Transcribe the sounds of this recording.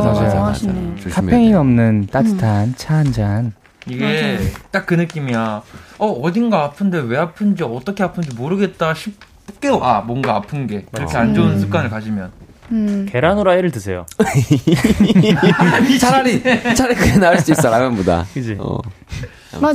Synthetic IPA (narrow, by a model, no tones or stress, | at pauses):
mad͡ʑajo̰okʰapʰeŋiʌmnɯnt͈atʰɯ̥tʰant͡ɕʰand͡ʑan | iɡe̞t͈ak̚k͈ːɯnɯk͈imijaʌʌdinɡaapʰɯnde̞we̞apʰɯnd͡ʑiʌt͈ʌkʰeapʰɯnd͡ʑimoɾɯɡe̞t̚t͈aɕʰip̚ | k͈e̞wamwʌnɡaapʰɯnɡe̞kɯɾʌkʰe̞and͡ʑounsʰɯ̥k͈anɯɭkad͡ʑimjʌn | ke̞ɾanoɾaeɾɯɭtɯsʰe̞jo | t͡ɕʰit͡ɕʰaɾikɯɾenaɭs͈uiss͈ʌɾamʌnboda̰kɯd͡ʑiʌ̰ | ma